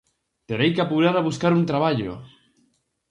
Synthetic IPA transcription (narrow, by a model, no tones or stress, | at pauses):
t̪eɾejkapuɾaɾaβuskaɾunt̪ɾaβaʎʊ̰